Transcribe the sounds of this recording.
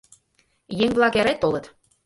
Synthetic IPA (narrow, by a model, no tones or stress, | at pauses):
jeŋβlˠɑkæɾæt̪ːolɤ̆t̪